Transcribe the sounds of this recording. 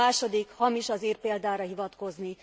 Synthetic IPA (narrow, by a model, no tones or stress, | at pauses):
aːʃo̞d̪ikhɒmiʃɒziːrpeːld̪aːɾɒɦivɒt̪ko̞zni